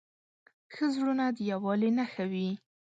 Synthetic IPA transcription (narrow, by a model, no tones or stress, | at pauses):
xəzɽunad̪əjawɑlenaxawi